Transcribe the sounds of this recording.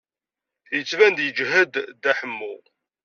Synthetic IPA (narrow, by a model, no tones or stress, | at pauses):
θjət͡sːvænd̪jəd͡ʒɦæd̪ːæħəmːʊ